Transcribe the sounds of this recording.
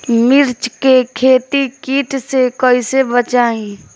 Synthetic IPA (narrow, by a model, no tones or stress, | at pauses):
mɪɾt͡ʃkekʰeːt̪ikiːʈsekəisebət͡ʃaːĩ